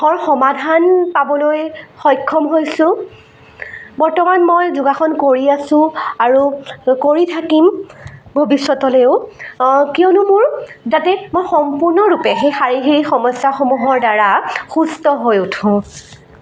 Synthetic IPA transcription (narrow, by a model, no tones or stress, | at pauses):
xɔɹxɔmadʱanpabɔlojxɔjkʰːɔmɦojsʊ̃ | bɔɹtɔmanmojzʊɡaxɔnkoɹiasʊ̃aɹukoɹitʰakimbʱobisːɔtɔleʊ | kiɔnʊmʊɹzatɛmojxɔmpuɹnɔɹupɛxejxaɹiɦiɹixɔmɔsjaxomuɦɔɹdaɹaxustɔɦojutʰũ